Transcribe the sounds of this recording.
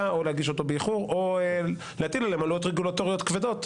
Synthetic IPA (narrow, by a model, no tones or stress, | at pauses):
ao̞leaɡiʃo̞t̪o̞beiχuʁo̞ | leat̪ilalemalujot̪ʁeɡulat̪o̞ʁijot̪kved̪o̞t̪